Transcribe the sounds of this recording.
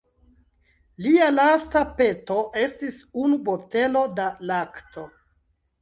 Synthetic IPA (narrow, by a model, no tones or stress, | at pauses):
lialastape̞to̞ʔe̞stisunubote̞lo̞dalakto̞